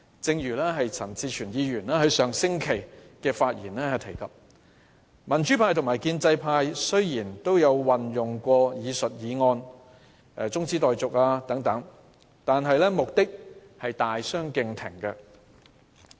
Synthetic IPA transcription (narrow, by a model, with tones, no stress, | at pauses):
t͡sɪ˧ŋjyː˨˩lɛ˥ɦɐ˨jt͡sʰɐ˨˩nt͡siː˧t͡ʃʰyː˨˩njiː˨˧jyː˨˩nɛː˥ɦɐ˨˧˥jsœː˨ŋsɪ˥ŋkʰe˨˩jkɛː˧faː˧t̚jiː˨˩nlɛː˥˨t̪ʰe˨˩jkɐ˨p̚ | mɐ˨˩nt͡ʃyː˨˥pʰaː˧jt̪ʰʊ˨˩ŋmaː˨˩jkiː˧nt͡sɐ˧jpʰaː˧jsɵ˥jjiː˨˩nt̪o˥wjɐ˨˧wwɐ˨njʊ˨ŋkʷɔː˧jiː˨˧sɵ˨t̚jiː˨˧ŋɔː˧n | ɛ˧t͡sʊ˥ŋt͡siː˥t̪ɔː˨jt͡sʊ˨k̚aː˧t̪ɐ˨˥ŋt̪ɐ˨˥ŋ | t̪aː˨nɦɐ˨jlɛː˥mʊ˨k̚t̪ɪ˥k̚hɐ˨jt̪aː˨jsœː˥ŋkɪ˧ŋt̪ʰɪ˨˩ŋkɐ˧